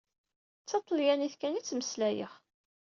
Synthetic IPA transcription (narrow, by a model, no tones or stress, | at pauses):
t͡sːɑt̪ˤːəljæniθkænit͡sːməslæjə̰χ